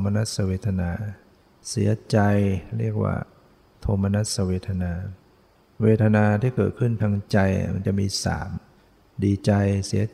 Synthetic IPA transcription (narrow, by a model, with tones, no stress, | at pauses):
mːa˧na˦˥t̪̚sa˧weː˧˩t̪ʰːa˧naː˧ | si˨˩˦ɐt͡ɕa˧jɾi˥˩ək̚wa̰ː˧˩ | t̪ʰo˧mːa˧na˦˥t̪̚sa˧weː˧t̪ʰːa˧naː˧ | weː˧t̪ʰa˧naː˧t̪ʰiː˥˩kɤː˨˩t̪̚kʰɯ˥˩nt̪ʰa˧ŋt͡ɕa˧j̰ma̰˧˦nt͡ɕa˨˩ʔmiː˧sa̰ː˩˦m | diː˧t͡ɕa˧jsi˩˦ɐ